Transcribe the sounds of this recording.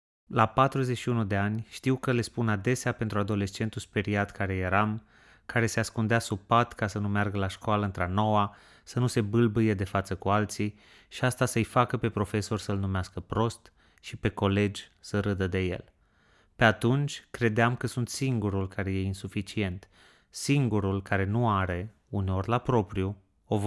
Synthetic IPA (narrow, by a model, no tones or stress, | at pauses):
lapat̪ɾuzeʃiunud̪e̞anʲʃt̪iwkəle̞spunad̪e̞seape̞nt̪ɾuad̪o̞le̞st͡ʃe̞nt̪uspe̞ɾiat̪kaɾe̞je̞ɾam | kaɾe̞seaskund̪easupat̪kasənumearɡəlaʃkoaləɨnt̪ɾano̞wa | sənuse̞bɨlbɨje̞d̪e̞fat̪səkualt̪si | ʃiast̪asəɨjfakəpe̞pɾo̞fe̞so̞rʲsəɨlnumeaskəpɾo̞st̪ | ʃipe̞ko̞le̞d͡ʒʲsəɾɨd̪əd̪e̞je̞̰l | pe̞at̪unt͡ʃʲkɾe̞d̪eamkəsunt̪siŋɡuɾulkaɾe̞je̞insufit͡ʃie̞nt̪ | siŋɡuɾulkaɾe̞nuaɾe̞ | uneo̞rʲlapɾo̞pɾiu | ov